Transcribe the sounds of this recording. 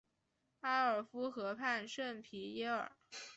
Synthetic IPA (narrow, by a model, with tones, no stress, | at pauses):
a˥ə˞˨˩fu˥xɤ˧˥pʰa˥˧nʂə˥˩npʰi˧˥jɛ˥ə̰˞˨˩˦